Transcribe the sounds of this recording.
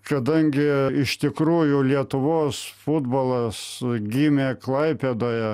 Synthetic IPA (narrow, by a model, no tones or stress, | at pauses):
kɐd̪ɐŋʲɡʲɪɪʃt̪ʲɪkɾuːjʊlʲiɛt̪ʊʋoːsfʊd̪boːlˠɐsɡʲiːmʲeːklˠɐɪpʲed̪oːjɛ